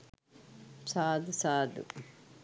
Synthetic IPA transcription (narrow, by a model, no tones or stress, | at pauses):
sad̪sad̪ɨ̰kʼ